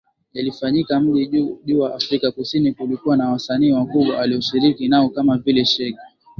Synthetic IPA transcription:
jalifaɲikam̩ʄiʄuːwaʔafɾikakusinikulikuwanawasaniːwakuɓwaaliɔʃiɾikinaɔkamavilɛʃɛka

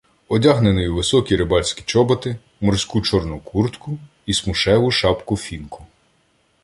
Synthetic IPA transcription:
ɔdʲaɦnenɔjʊʋɪsɔkʲiɾɪbɑlʲsʲkʲi̥t͡ʃɔbɔt̪ɪ | mɔrsʲkut͡ʃɔrnʊkʰurt̪kʊ | ismʊʃɛʋʊʃɑpkʊfʲinkʊ̥

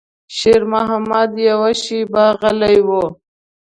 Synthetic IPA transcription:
ɕeɾmaɦamad̪jawaɕibaːɣɐlajwo

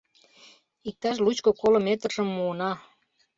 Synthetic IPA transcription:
ik̚t̪ɑʃ̬lut͡ɕkokolomet̪rʒəmːuənɑ

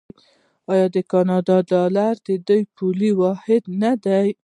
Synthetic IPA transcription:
ɑjɑd̪ekɑnɑd̪ɑd̪ɑlaɾd̪ed̪ojpʰuliwɑhɪd̪nad̪aj

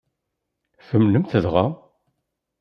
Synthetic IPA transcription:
fəmnəmθəðʁæ

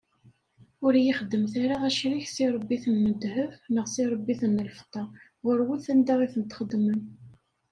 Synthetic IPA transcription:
ʊɾjiχəd̪ːəmθaɾaðæʃɾiçsiɾˤəbːiθənːəd̪həfnəʁsiɾˤəbːiθənːəlft̪ˤːɑʁʊɾwəlθænd̪æʁiθənət̪χəd̪mən

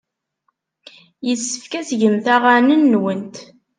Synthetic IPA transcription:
jəsːəfkæsʝəmθæʁanənːwənt̪

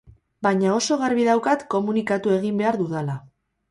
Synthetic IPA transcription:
baɲao̞so̞ɣaɾβiðawkat̪ko̞munikat̪ue̞ɣ̞imbe̞aɾðuðala

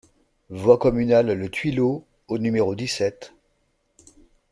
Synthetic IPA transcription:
vwakɔmynalːət̪ɥilo | onymeʁod̪isɛt̪

